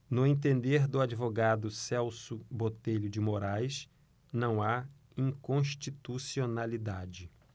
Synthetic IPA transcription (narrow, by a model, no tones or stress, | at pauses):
nʊẽt̪ẽnd̪eɾd̪ʊad͡ʒivoɡad̪ʊsɛwsʊbot̪eʎʊd͡ʒɪmoɾajs | nɐ̃w̃a | ĩkõʃt͡ʃit̪usionalid̪ad͡ʒɪ